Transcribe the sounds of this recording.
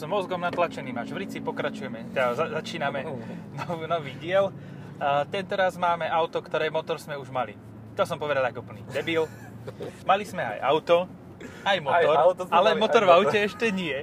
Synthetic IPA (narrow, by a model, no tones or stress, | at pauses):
zmɔzɡɔmnat̪lat͡ʃɛniːmaʒʋɾit͡sipɔkɾat͡ʃujɛmɛt̪ɛd̪azazat͡ʃiːnamɛnɔʋnɔʋiːɟɪɛlː | t̪ɛnt̪ɔɾazmaːmɛʔaʊt̪ɔkt̪ɔɾɛːmɔt̪ɔɾzmɛuʒmalḭ | t̪ɔsɔmpɔʋɛd̪alakɔpəlnḭːd̪ɛbil | malizmɛa̰jʔaʊt̪ɔ | ajmɔt̪ɔɾalɛmɔt̪ɔɾvaʊcɛɛʃcɛɲɪɛ